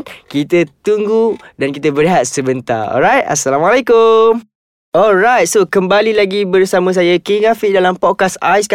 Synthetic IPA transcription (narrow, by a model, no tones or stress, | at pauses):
t̚kit̪ət̪uŋɡudankit̪̬əbəɾiɦat̪̚səbənt̪a̰ɔ̰lɾajt̚a̰salamalekʊm | ɔlɹajt̚sokəmbalilaɡibərsamə̃s̬ajakiŋafidalampɔt̚kasa̰jsk